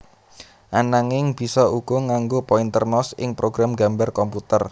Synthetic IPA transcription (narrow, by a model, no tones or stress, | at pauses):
ʔanaŋɪŋb̥i̤sɔuɡ̥ɔ̤ŋaŋɡopɔint̪ərnɔsɪ̰ŋpɾoɡɾamɡa̤mbarkɔmput̪ər